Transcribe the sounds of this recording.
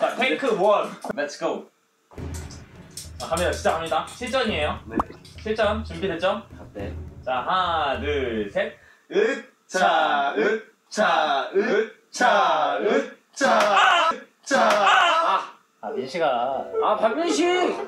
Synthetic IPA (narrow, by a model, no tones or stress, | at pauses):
at̪ʰekʰɯmoʌnlɛtsɡ̥oʊ | t͡ɕakʰameɕʰid͡ʑakʰamɲidaɕʰiɭt͡ɕ͈ʌɲie̞joneɕʰiɭt͡ɕ͈ʌnt͡ɕumbidet͡ɕ͈onet͡ɕaɦanɯsʰet̚ | ɯ | t͡ɕaɯ | t͡ɕaɯ | t͡ɕaɯ | t͡ɕa | t͡ɕa | aiɕʰiɡaapaɭmɯnɕʰi